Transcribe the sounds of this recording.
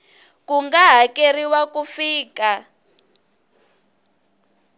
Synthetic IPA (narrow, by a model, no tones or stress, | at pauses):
kuŋɡaɦakeriwakufiːka